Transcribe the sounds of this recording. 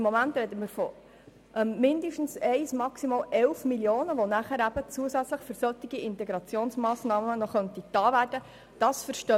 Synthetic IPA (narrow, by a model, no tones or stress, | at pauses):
mːomænt̪ɾɛd̪əməɾfɔ | ʔɛmːɪnd̪əʃtn̩sɛɪsmɑksimɑːlʔɛlfmiljoːnəʋonæχæɾæbət͡suəsæt͡sləχføɾsœt̪ːiɡ̥iɪntɛɡɾɑt͡sjoːnsmɑːsnɑːmənɔχœnt̪it̪ɑːʋæːrd̥ə | d̥ɑsfəɾʃtœ